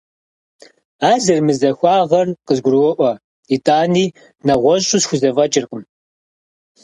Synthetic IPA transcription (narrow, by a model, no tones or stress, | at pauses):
aːzɨrmɨzɐxʷɑːʁɐrqəzɡʷʊrwɔʔʷɐ | itʰʼaːniː | nɐʁʷɔɕʼusxʷʊzɐvɐt͡ʃʼɪrqʼəm